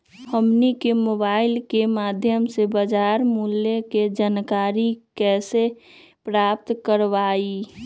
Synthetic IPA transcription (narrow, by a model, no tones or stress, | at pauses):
həmnikemoːbaːɪlkemaːd̪ʱjəmsebəd͡ʒaːɾmuljeked͡ʒankaːɾikɛːse | pɾaːp̚t̪kəɾʋaːi